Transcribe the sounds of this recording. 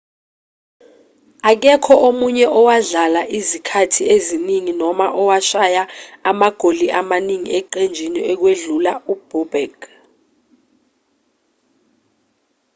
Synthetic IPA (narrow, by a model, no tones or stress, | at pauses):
ak̬ɛkʰɔʔomuɲɛʔɔwaɮalaʔizikʰatʰieziniŋinɔmaʔɔwaʃajaamaɡ̥ʱoliʔamaniŋḭɛǃend͡ʒʱiniɛk̬weɮulaub̥ɔbɛɡ̥